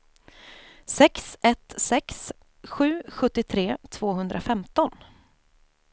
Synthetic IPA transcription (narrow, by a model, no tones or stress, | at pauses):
sɛksɛt̪sɛks | ɧʉ̟ːɧɵt̪ːɪt̪ʰɾeːt̪ʰv̥oːɦɵnd̪ɾʔafɛmt̪ɔn